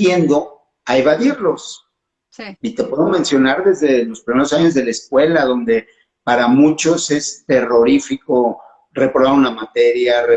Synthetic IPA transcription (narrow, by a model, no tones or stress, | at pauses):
jend̪o̞ | aeβaðiɾlo̞s | siit̪e̞pwe̞ðo̞mẽnsjo̞naɾðe̞zðe̞lo̞spɾime̞ɾosaɲo̞zðe̞laeskwe̞laðo̞nd̪e̞ | paɾamũt͡ʃo̞se̞st̪e̞ro̞ɾifiko̞ | re̞pɾoβaunamat̪e̞ɾjare